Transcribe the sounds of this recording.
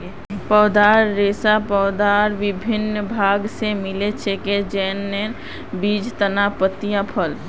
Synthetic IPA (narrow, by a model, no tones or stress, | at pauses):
pɔːd̪aɾːeːsapɔʊd̪aːɾʋɪbʱɪnbʱaːɡsemɪlet͡ʃʰeked͡ʒɛːnːe | biːd͡ʒt̪ənapət̪ːijãpʰəl